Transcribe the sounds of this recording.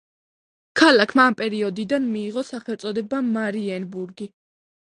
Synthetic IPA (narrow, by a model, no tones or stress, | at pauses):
kʰalakʰmaːmpʼɛɾiɔd̪id̪anmiːʁɔsaχɛlt̪sʼɔd̪ɛbamaɾiɛnbuɾɡi